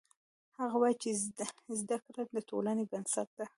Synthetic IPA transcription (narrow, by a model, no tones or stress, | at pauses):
haɣawɑjt͡ʃezd̪akɾad̪at̪o̰lanebansat̪̚d̪a